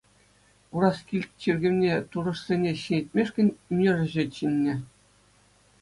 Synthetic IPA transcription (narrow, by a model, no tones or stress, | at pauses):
uɾɑskʲilʲtʲt͡ɕirʲɡʲɘ̆mnʲet̪urɤ̆ʂsʲenʲeɕinʲĕtʲmʲeʂkʲɘ̆nʲymʲnʲerʲɘ̆ʑɘ̆t͡ɕinʲːɘ̆